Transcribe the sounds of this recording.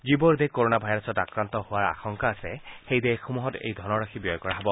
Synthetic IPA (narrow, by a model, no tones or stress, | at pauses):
d͡ʒibɔɹd̪ɛkoɹonabʱajɹɔsɔtakɹant̪ɔhʊwaɹa̰xɔŋkaːsɛxejdɛxumuɦɔtḛjd̪ʱɔnɔɹaxʰibjɔjkɔɹaɦɔbɔ